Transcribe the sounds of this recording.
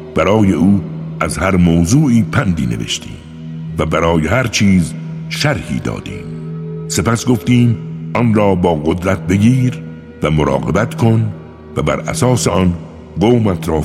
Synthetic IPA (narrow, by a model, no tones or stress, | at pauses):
b̥æɾɒːje̞ʔuːʔæzhæɾmoːzuːʔiːpʰænd̪iːnḛḛʃt̪ḭːm | væbæɾɒːjehæɾt͡ʃʰiːz | ʃæɾhḭːd̪ɒ̰ːd̪ḭːmse̞pæsɡo̞ft̪iːmʔɒnɾɒːbɒːɡod̪ɾæt̪̚be̞ɡiːɾ | væmoɾɒ̰ːɣe̞̰bæt̪kʰo̞n | væbæ̰ɾæ̰sɒːseɒn | ɡoːmæt̪ʰɾɒː